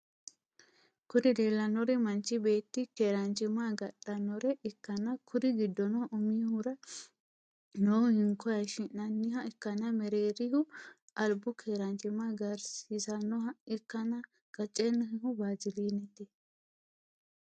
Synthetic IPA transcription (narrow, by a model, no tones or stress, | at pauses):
kʊd̪ɪd̪eːlːɐnɔɾɛmɐnt͡ʃːɪbe̞ːt̪ːɪkeːɾɐnt͡ʃʼɪmaɡɐɗːɐnɔɾɛʔɛkːɐnɐkʰʊd̪ɪɡɪd̪ːɔnɔʊmiːhʊɾɐ | noːhɪŋkːɔjɐʃɪnnɐnːɪhɐɛkːɐnɐmɛɾeːɾɪhʊ | ʔɐlbʊkʰeːɾɐnt͡ʃɪmaɡɐɾsisɐnːɔhɐɛkːɐnɐ | ɡ̥ɐt͡ʃʼːenːɔhɪhʊbaːzɪliːnɛt̪ːɪ